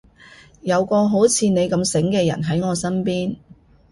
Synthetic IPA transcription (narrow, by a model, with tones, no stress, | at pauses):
jɐ˨˧wkɔː˧ɦo˨˥wt͡sʰiː˨˧ne˨˧jkɐ˧msɪ˨˥ŋkɛː˧jɐ̰˨˩nɦɐ˨˥jŋɔː˨˧sɐ˥npiː˥n